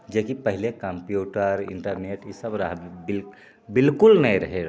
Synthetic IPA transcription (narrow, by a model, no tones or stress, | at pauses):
d͡ʒekipəɦɪlekə̃mpjuːʈəɾɪ̰̃ɳʈəɾneːʈɪsəbɾaɦbɪl | bɪlkʊlnəiɾɐɦe